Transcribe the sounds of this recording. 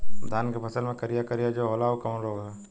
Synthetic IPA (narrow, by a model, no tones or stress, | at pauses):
d̪ʱaːnkepʰɐsəlmẽkɐɾijakɐɾijad͡ʒoɦoːlaokɐmnɾoːɡɛ